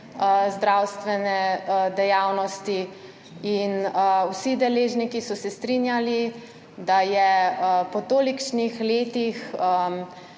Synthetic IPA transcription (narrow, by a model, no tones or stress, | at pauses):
zd̪ɾawst̪ʋɛnɛd̪ɛjaːwnɔst̪i | inəwsid̪ɛleːʒnikisɔsɛst̪ɾinjali | d̪ajɛpɔt̪oːlikt͡ʃnixleːt̪ixə